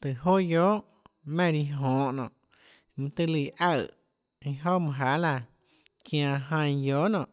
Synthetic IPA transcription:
t̪ɨ˨ɦo˦joː˦ʔ | mẽ˦˨ɾi˧ɦõː˨ʔnɔ̰̃ː˨ʔ | mɨ̃˧t̪ɨ˦˧li˧˨ʔa˦˧˨ | ĩ˧ɦo˦mɨ̃˧˨ɦa˨˦la˧ | kj̃ã˧ɦã˧j̃joː˨˦nɔ̃˨ʔ

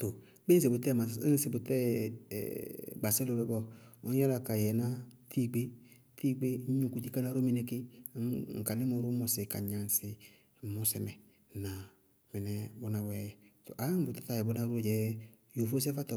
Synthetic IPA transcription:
t̪o˨˦ | k͡p̩˦s̬e˨bʊ˨tɛ˦˨ma˨˦n˦se˨bʊ˨tɛ̰˦˨ | ɡ͡ba˨sɛ˦lo˨˧bɛ˧˦bɔ˧ɔ̃˦ɔ˦la˧˨ka˨jɛ˨nã˦tʰi˦˨ɡ͡be˦ | tiː˦ɡ͡be˦ɲ˦ɲũ˨ku˨ti˦ka˦na˧˦ɾo˦mɛ˨nɛ˧kɪ˦ | ŋ̩˨ka˨lɪ˦mo˧˦ɾʊ˦mɔ˧sɪ˨ka̰˨ɲã˨n˨sɪ˨ | mɔ˧sɛ˧mɛ˨ | nã˨ | mɛ˨nɛ˨bʊ˧na˧bɛ˨to˨ʔa˨˦ŋ̩˦bʊ˨ta˦t̪a˨jɛ˨bo˧nã˧ɾo˦˨d͡ʒɛ˨˦ | jo˨fo˦s̬ɛ˦fa˦tɔ˨

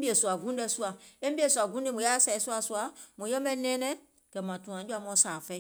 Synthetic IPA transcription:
bi˦e˨su˨a˨ɡũ˨˦ɛ˦su˦a˨e˦m˦bi˦e˨su˨a˨ɡũ˨˦e˦mõ˨ja˦sɛ˨i˨su˦a˨su˦a˨mõ˨jɛ˦mɛ˦nɛ̃˦nɛ̃˦ | kɛ˨mã˨tũ˨ã˨˦d͡ʒu˦a˦˨m˦ɔ̃˦sa˨fɛ˦

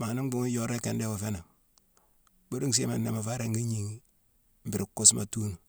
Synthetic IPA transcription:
ma˨ni˦ŋ˦bu˨ŋi˦jo˦ɾe˦ke˨nde˦wo˨fe˦na˨ | bo˦du˦ŋs̬ḛ˦ma˨nːe˨ma˨fa˦ɾe˨ŋɡi˦ɲi˨ŋ˦ | m̩bi˨ɾi˨kːu˦sma̰˨tu˦nu˨

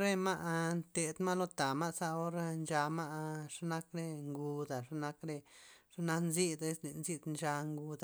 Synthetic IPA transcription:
ɾe˦ma˦ʔnt̪e˨d̪ma˦lo˦t̪a˨ma˦sa˦o˦ɾa˦˧nd͡ʒa˧ma˦ʔʂa˦na˦kɾe˧ŋɡu˧d̪a˨ʂa˦na˧kɾe˧ʂa˦na˦nzi˦d̪e˦sle˨nzi˦d̪nt͡ʃa˧ŋɡu˧d̪a˨

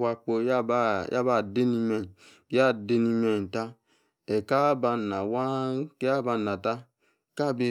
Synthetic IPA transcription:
wa˧k͡po˧ja˦ba˦jʔa̰˦ba˧˨de˦ni˧mɛ˨n˨˦ | ja˦˨de˧ni˧mɛ˨ta˦ | ɛ˨ka˦ba˧˨na˨wa˦ke˦a˦ba˧˨na˨ta˦ | ka˦˨be˨

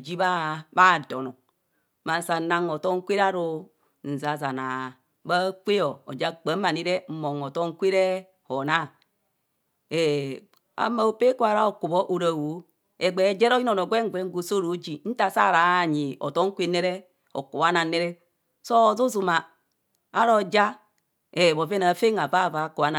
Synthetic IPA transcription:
d͡ʒi˦βa˦ba˦˨do˨no˨ | ma˨n̩˨sa˨na˦ŋo˨to˦ŋ̩˦kʷi˦ɾa˦ɾo˨ | n̩˨za˨za˨na˨ | ba˦kʷe˦jo˨o˨d͡ʒa˦k͡pa˨˦ma˨ni˦ɾe˦m̩˦mo˨ŋo˨to˦ŋ̩˦kʷi˦ɾe˦ | ho˨na˦ | e˨ | a̰˨˦ma˨o˨pe˦ku˦a˨ɾa˦o˨ku˨bo˦ʔo˨ɾa˨wo˨˦ | e˨ɡ͡be˨d͡ʒe˦ɾo˦ji˦no˨no˨ɡʷe˦ŋ˦ɡʷe˦ɡu˨so˦ɾo˨˦d͡ʒi˨n̩˦ta˨sa˦˨ɾa˨ɲi˨o̰˨to˦ŋ̩˦kʷe˦ne˦ɾe˦ | o̰˨ku˨wa˦na˨ne˦ɾɛ˦ | so˦˨zu˦zu˨maː˨˦ | ɾo˨d͡ʒa˦ | e˨bo˨ve˦na˨fe˦ŋa˨va˦˨va˨˦ku˨wa˦na˨

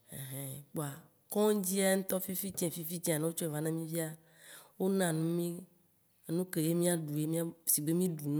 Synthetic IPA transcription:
ḛ˨ɦɛ̃˨k͡po˨a˨ | kɔ̃˦d͡ʑi˦a˦ŋ̩̃˦t̪ɔ˦fi˦fi˦t͡ʃɛ̃˨fi˦fi˦t͡ʃɛ̃˦a˨nã˦wo˦t͡ʃɔ˦ɛ˨va˦nã˦mĩ˦vi˦a˦ | wo˦nã˨nũ˦mĩ˦ | e˦nũ˦ke˨je˦mĩ˦a˦ɖu˨je˦mĩ˦a˦si˨ɡ͡be˦mĩ˦ɖu˨ñ˦

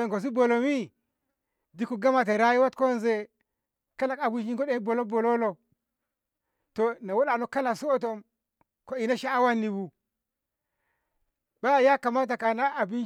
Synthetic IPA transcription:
e˨ŋko˨s̬i˦bo˨lo˨mi˦ | di˦ku˨ɡa˦ma˨t̬e˨ɾa˦ji˦wa˦tko˦nze˨ | ka˦la˨ka˨bu˦ʃi˦ŋ˦ko˦ɗe˦bo˨lo˦bo˨lo˦lo˨ | to˨na˨wo˦ɗa˨no˦ka˦la˨ksu˦o˦to˨m | ko˨i˨na˦ʃa˦a˦wa˦nːi˨wu˨ | ba˦˨ja˦ka˨ma˦t̬a˨ka˨na˦a˨bi˦n

